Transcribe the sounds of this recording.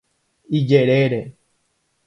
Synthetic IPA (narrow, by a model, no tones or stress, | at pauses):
id͡ʒeɾeɾe